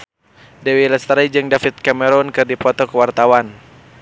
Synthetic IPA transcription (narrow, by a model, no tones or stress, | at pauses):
dɛwilɛst̪ɾajd͡ʒɨŋdafit̪̚kamɛɾɔnkɨrdipɔt̪ɔkəwart̪awan